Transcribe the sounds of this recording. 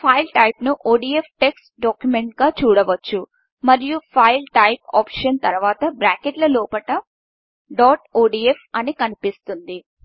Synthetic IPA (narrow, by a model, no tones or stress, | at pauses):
pʰɐjlʈɐjpnuʔoːɖiːepʰʈe̞ksʈɖoːkjumeɳʈ̚ɡaːt͡ʃuːɽɐʋɐt͡ʃːu | mɐɾijupʰɐjlʈɐjpɔ̰ːpʂɐnt̪ɐɾʋaːt̪ɐbɾaːkeʈlɐlɔːpɐʈɐ | ɖɔːʈoːɖiːefʰɐnikɐnipist̪und̪i